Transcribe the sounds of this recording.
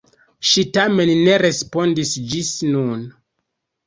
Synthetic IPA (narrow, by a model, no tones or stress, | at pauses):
ʃitame̞nːe̞ɾe̞spo̞ndisd͡ʒisnun